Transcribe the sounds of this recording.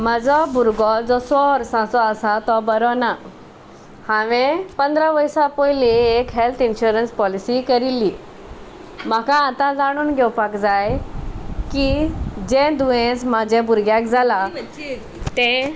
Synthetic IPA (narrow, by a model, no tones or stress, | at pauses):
m̤ad͡zɔbuɾɡɔd͡zɔsɔɾsãsɔəsat̪ɔbəɾɔna | hãʋẽpə̃nd̪ɾaʋəjsapɔjliekɦelt̪ʰinɕuɾənspɔlisikəɾili | m̤akãːt̪ãd͡zaɽ̃uːnɡʱɛwpakd͡zaj | kid͡ʑẽd̪uʋẽt͡smad͡ʑʱẽbuɾɡjakd͡zʱala | t̪ɛ̃